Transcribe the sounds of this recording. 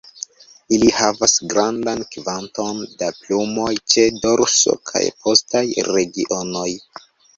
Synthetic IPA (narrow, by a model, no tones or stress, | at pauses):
ilihavasɡɾandankvanto̞ndaplumo̞jt͡ʃe̞doɾso̰kʰa̰jpo̞stajɾe̞ɡiʔo̞no̞j